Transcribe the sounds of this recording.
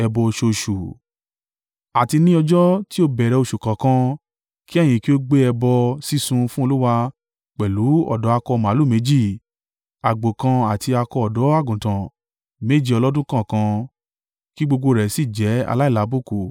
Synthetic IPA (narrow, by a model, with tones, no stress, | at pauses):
ɛ˧bɔ˧˨ʃo˧˨ʃu˨ | a˨ti˧nĩ˦ɔ˧d͡ʒɔ˦ti˦o˧bɛ˨ɾɛ˧˨o˧˨ʃu˨kã˨kã˧ | ki˦ɛ˦˨j̃ĩ˧˨ki˦o˦ɡ͡be˦ɛ˧bɔ˧si˦˨sũ˧fũ˦o˧lu˦wa˧ | k͡pɛ˨lu˨˦ɔ̰˦˨dɔ˨˦a˧kɔ˧mã˨˦lu˦˨me˨˦d͡ʒi˦˨ | a˨ɡ͡bo˨kã˧a˨ti˧a˧kɔ˧ɔ˨dɔ˨˦a˦˨ɡũ˨tã˨ | me˦d͡ʒi˦ɔ˧lɔ˦dũ˦kã˦˨kã˧ | ki˦ɡ͡bo˧ɡ͡bo˧ɾɛ˨si˦˨d͡ʒɛ˨˦a̰˧la˦i˦˨la˨˦bo˦˨ku˨